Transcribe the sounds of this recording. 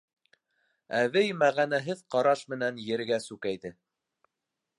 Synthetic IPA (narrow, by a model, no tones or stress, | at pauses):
æβɘjmæʁænæɦɘðqɑɾɑʃmɘ̆nænjɘ̆ɾɡæsʉkæjðɘ